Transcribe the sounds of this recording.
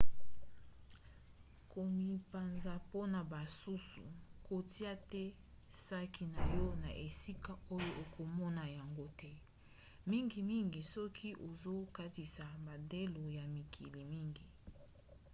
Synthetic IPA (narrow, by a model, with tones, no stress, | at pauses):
ko˨mi˨pa˨nza˨po˦na˨ba˨su˦sṵ˨ko˨ti˦a˦tɛ˦ | sa˦ki˨na˨jɔ˦na̰˨ʔe˨si˦ka˨o˦jo˦ʔe˨ko˨mɔ˦na˨ja˨ŋɡo˦tʰɛ˦ | mi˦ŋɡi˨mi˦ŋɡi˨sɔ˦kʰi˦ʔo˨zo˦ka˦ti˨sa˨ba˨de˦lo˨ja˨mi˨kʰi˨li˨mi˦ŋɡi˨